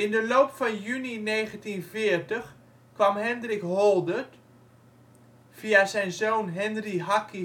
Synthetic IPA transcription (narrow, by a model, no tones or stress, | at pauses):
ɪndəloːpfɔnjynineːɣəntinfɪːərtəx | kʋamɦɛndrɪkɦɔlˠdət | fiazɛjnzoːnɦɛndriɦaki